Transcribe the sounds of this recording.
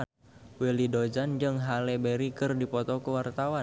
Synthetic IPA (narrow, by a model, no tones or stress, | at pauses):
welidod͡ʒand͡ʒɨŋɦalɛbeɾikɨrdipɔt̪ɔkuwart̪awa